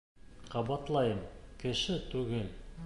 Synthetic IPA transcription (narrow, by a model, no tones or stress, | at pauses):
qʰɑbɑt̪lˠɑjəmkʲʰɘ̆ʃɪt̪ʰʉɡel